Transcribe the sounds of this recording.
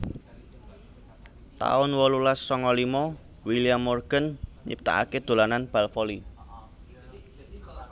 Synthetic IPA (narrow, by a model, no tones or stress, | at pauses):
t̪a̰ʊnwɔlulasːɔŋɔlimɔ | wiliamːorɡ̥ənɲḭp̚t̪a̰ʔa̰ked̪̥o̤lananb̥a̤lfɔli